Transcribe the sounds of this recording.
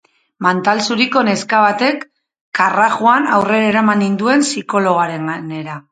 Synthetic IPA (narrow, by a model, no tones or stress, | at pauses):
mant̪alsuɾiko̞ne̞skaβat̪e̞kː | araɣuanawre̞ɾaeɾamanind̪ue̞nsiko̞lo̞ɣ̞aɾe̞ŋɡane̞ɾa